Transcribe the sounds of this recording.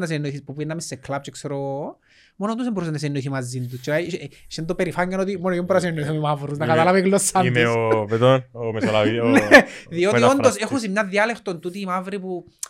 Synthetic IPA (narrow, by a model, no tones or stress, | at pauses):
nɐs̬enoiθispupinːɐmisːeklap̚t͡ʃekseɾo | monot̪usemboɾusenɐs̬enːoiθimɐzːind̪ust͡ʃeʃend̪opeɾifaɲɡɐnot̪imonoiombɾɐs̬enːoiθimimavɾusnɐkɐt̪ɐlɐviklːosːɐnimesopet̪onomesolavinðioiond̪osexus̬imɲɐðiɐlext̪ont̪ut̪iːmavɾipu